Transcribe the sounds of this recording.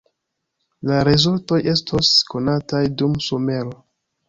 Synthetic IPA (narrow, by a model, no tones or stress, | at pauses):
laɾezulto̞je̞stʰosko̞natajdumsome̞ɾo̞